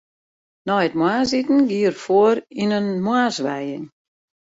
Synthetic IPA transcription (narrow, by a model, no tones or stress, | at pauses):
nɔjətmwaːsitn̩ɡiərfoəɾinənmwaːsʋɛjɪŋ